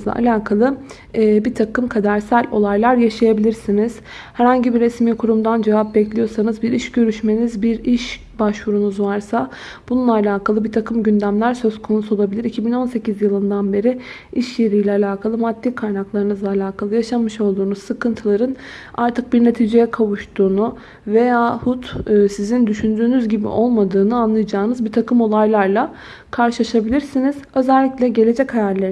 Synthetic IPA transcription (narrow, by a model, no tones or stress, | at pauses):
zlˠa̰a̰lʲaːkʰalˠɯː | bit̪ʰakɯmkʰad̪æɾsælʲo̞̰lˠajlˠaɾjaʃajabilʲiɾsiniz̥ | hæɾhaɲɟibiɾesmiːkʰuɾumd̪and͡ʒevap̚bɛclʲijo̞sanɯzbiɾiʃɟø̞ɾyʃme̞nizbiɾiʃ | baʃvuɾunuzvaɾsa | bununˠaːlʲaːkʰalˠɯbit̪ʰakɯmɟynd̪æmlʲæɾsø̞zkʰo̞nusuolˠabilʲiɾicʰibino̞nse̞cizjɯlˠɯnd̪anbe̞ɾi | iʃjeɾijlʲɛalʲaːkʰalˠɯmad̪ːiːkʰajnaklˠaɾɯnɯzlˠaːlʲaːkʰalˠɯjaʃamɯʃo̞lˠd̪uːnuz̥sɯkɯnt̪ʰɯlˠaɾɯn | aɾt̪ʰɯk̚biɾne̞t̪ʰiːd͡ʒejɛkʰavuʃt̪ʰuːnu | ve̞jaːhut̪ːsizind̪yʃynd̪yːnyzɟibḭʔo̞lˠmad̪ɯːnɯanlˠɯjad͡ʒaːnɯzbit̪ʰakɯmo̞lˠajlˠaɾlˠa | kʰaɾʃɯlˠaʃabilʲiɾsiniz̥ø̞zælʲːiclʲɛɟe̞lʲe̞d͡ʒɛchajæɾlʲe